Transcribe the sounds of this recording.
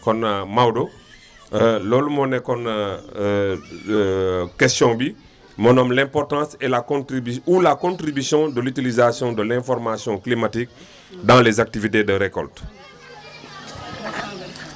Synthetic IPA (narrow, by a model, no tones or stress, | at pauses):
kɔnmawdo | lolumɔnɛkɔn | kɛstjɔ̃bi | mɔnɔmlɛ̃pɔrtɑ̃selakɔ̃tibulakɔ̃ntɾibysjɔ̃dəlytilizasjɔ̃dəlɛ̃fɔɾmasjɔ̃klimatik̚ | dɑ̃lezak̚tivitedəɾekɔ̰lt